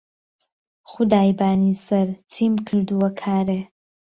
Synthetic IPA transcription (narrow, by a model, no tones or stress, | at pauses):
χʊd̪aːjbaːnisɐɾt͡sʰiːmkʰɨɾd̪uwɐkʰaːɾe